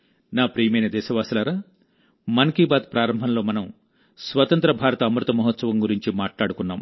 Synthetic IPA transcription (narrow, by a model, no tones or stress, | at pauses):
naːpɾiːjɐmɐjnɐd̪ɛːʃɐʋaːsɐlɐɾaː | mɐnkiːbaːt̪pɾaːɾɐmbʱɐnlo̞ːmɐnɐm | sʋɐt̪ɐnt̪ɾɐbʱaːɾɐt̪ɐːmɾut̪ɐmɐɦɐt̪sɐʋɐmɡuɾiɲt͡ʃimaːʈlaːɽukunːaːm